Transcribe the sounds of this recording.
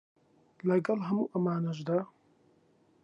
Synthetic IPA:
lɐɡɐlɦɐmuːʔɐmaːnɐʒd̪aː

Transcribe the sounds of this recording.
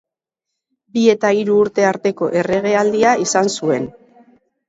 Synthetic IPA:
bie̞t̪aiɾuːɾt̪e̞aɾt̪e̞ko̞ʔe̞re̞ɣe̞ald̪iaisansue̞n

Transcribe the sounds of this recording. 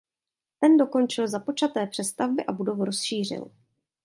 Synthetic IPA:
t̪ɛndo̞ko̞nt͡ʃɪlzapo̞t͡ʃat̪ɛːpr̝̥ɛst̪avbɪʔabudo̞vuɾo̞sʃiːr̝ɪ̰l

